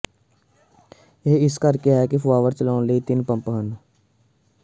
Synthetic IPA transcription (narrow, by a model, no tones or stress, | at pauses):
eːɪskɐɾkeɦɛkifʰʋaːʋəɾt͡ʃəlãːnleit̪ɪnpə̃mpɦən